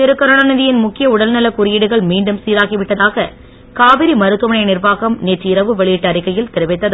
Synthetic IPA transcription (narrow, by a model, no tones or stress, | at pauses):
t̪ɪɾɯkːɐɾɐɳɐnɐðɪjɪnmʊkːɪjɐʊɽɐlnɐlɐkʊɾɪjɪɽɯɣɐɭmiːɳɖɯmsiːɾaːɣiʋɪʈːɐðaːɣɐ | kaːʋɪɾimɐɾɯt̪ːɯmɐnɐɪnɪrʋaːɣɐmneːʈriɪɾɐʋɯʋɛɭɪjɪʈːɐɾɪkːɐjɪlt̪ɪɾɯʋɐɪt̪ːɐðɯ